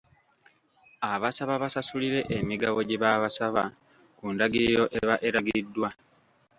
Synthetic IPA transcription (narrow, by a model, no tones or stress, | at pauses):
aβasaβaβasasuliɾe̞ʔemiɡaβo̞ɟeβaβasaβa̰ | kundaɡiɾiɾo̞ʔeβaʔeɾaɡiidːwa